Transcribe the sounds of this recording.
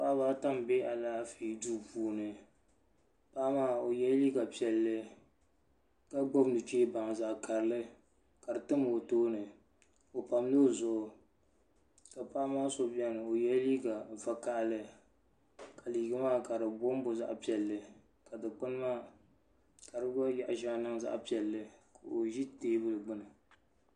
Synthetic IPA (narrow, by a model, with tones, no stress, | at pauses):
pa˦βaː˦ta˦mbe˦ʔa˨laː˦fiː˨˦du˦puː˨˦nɨ˨ | pa˦maː˦o˨jɛ˦lliː˦ɡa˨pi˦ɛ˨lːɨ˦ | ka˦ɡ͡bo˦bnɨ˨t͡ʃeː˦ba˨ŋ˨za˨ʔka˨ɾlɨ˦ | ka˨ɾɨ˨tɨ˦mː˨toː˦nɨ˨ | o˨pa˨m˦lo˦˨zʊ˨ʔʊ˨ | ka˨pa˦ʔmaː˦so˦bɛ˦nɨ˨o˨jɛ˦liː˦ɡa˨va˦ka˦ʔlɨ˦ | ka˨liː˨ɡa˦maː˦ka˨ɾɨ˨bo˦m˦bʊ˦za̰˦ʔpi˨ɛ˨lːɨ˨ | ka˨dɨ˨k͡pɨ˦n˦maː˦ | ka˨ɾɨ˦ɡa˦ja˨ʔa˨ʒa˦˨˦nɨ˦ŋza̰˦ʔpi˨ɛ˨lːɨ˦ka˨o˨ʒi˦teː˦bɨ˦lɨ˨ɡ͡bʊ˦nɨ˨